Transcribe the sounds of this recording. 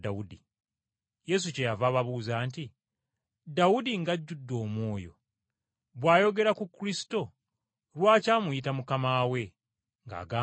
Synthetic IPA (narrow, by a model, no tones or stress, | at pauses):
daudi | je̞s̬uce̞javaːβaβuːzaːnti | dawudiŋɡaɟːudːo̞ːmwo̞ːjo̞̰ | βwaːjo̞ɡe̞ɾakukːuɾisi̥to̞ | ɾwaːcaːmuitamukamaːwe̞ | ŋɡa̰ːɡaː